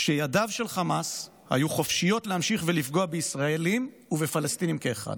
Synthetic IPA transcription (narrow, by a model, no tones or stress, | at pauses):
ʃejadavʃe̞lχamas | ha̰juχo̞fʃijo̞tlehamʃiχvelifɡoabeisʁae̞lim | uvefalast̪inimkeːχa̰d